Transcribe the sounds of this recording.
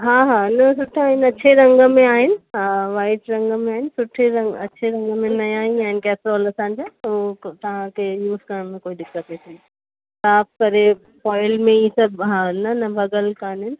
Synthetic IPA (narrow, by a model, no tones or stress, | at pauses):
ɦaːɦaːnɐsʊʈʰaːɦɪnɐt͡ɕʰeɾɐ̃ŋɡmẽaːɦɪnɪ̆ɦaːʋaːɪʈɾɐ̃ŋɡmẽaːɦɪnɪ̆sʊʈʰeɾɐ̃ŋɡɐ̰t͡ɕʰeɾɐ̃ŋɡmẽnɐjaːɦɪ̃aːɦɪnɪkɛːpɾɔːlɐsãːɲ̆d͡ʑoːot̪ɐʋ̤ãkʰeːjuːzkəɽ̃mẽkoːiɗɪkɐpet̪ʰi | saːfkɐɾe | pɔːɪlmẽisɐbʱɦaːnɐnɐbʱɐɡəlkaːnɦɪnɪ̆